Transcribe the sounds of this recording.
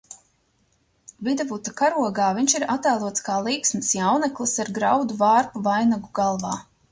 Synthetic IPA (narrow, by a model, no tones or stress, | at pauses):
vid̪avut̪akaɾuɔɡaːviɲt͡ʃiɾat̪aːlˠuɔt̪skaːlˠiːksmɨsjawnɛklˠɨsaɾɡɾawd̪uvaːɾpuvajnaɡuɡalˠvɑː